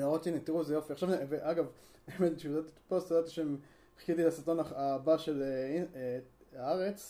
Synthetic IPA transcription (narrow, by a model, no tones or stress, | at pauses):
aʁot̪init̪iʁuezejo̞fiaχʃaveveʔaɡav | emet̪ʃiod̪at̪i̥post̪jod̪at̪aʃem | χkit̪ilasiʁt̪o̞naabaʃele | aaʁet͡s